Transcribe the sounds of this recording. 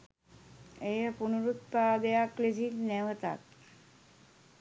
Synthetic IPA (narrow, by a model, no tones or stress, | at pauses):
ejəpunuɾut̪̚pad̪ejakled͡ʑilnɛʋət̪a̰t̪̚